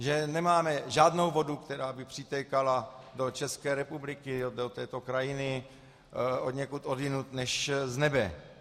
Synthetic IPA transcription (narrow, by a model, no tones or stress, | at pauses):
ʒɛnɛmaːmɛʒaːdnowvo̞dukt̪ɛɾaːbɪpr̥ɪt̪ɛkala | do̞t͡ʃɛskɛːɾɛpublɪkɪod̪ot̪ɛːt̪okɾajɪnɪ | od̪ɲɛkut̪ʔodɪnut̪nɛʃznɛbɛ